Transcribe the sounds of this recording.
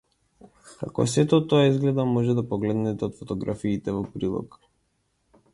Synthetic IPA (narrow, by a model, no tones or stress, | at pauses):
ka̰kɔ̰sɛt̪ɔt̪ɔaizɡlɛd̪amɔʒɛd̪apɔɡlɛd̪nɛt̪ɛɔt̪fɔt̪ɔɡɾʔafiːt̪ɛvɔpɾilˠɔ̰k